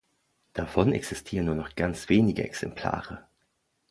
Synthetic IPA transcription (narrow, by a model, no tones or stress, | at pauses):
d̥afɔnɛ̰ksɪstʰiːʁənːuɐnɔχɡ̥ant͡sv̥eːnɪɡə̰ɛksɛmpʰl̥a̰ːʁə